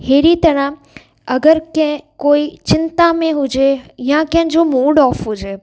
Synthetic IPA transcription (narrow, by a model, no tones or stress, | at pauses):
heːɾit̪ɐɽə̃ɦ | ɐɡəɾkɛ̃ɦɪ̃koːit͡ɕɪnt̪amẽɦʊd͡ʑejãkɐ̃ɦɪ̃d͡ʑoːmuːɖɔːfɦʊd͡ʑeː